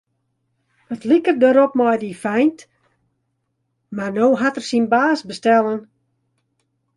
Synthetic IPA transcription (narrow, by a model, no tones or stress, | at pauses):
ətlikərdəɾɔp̚mɔjdifɛjnt | marnoːɦatərsinbaːsbəstɛlˠən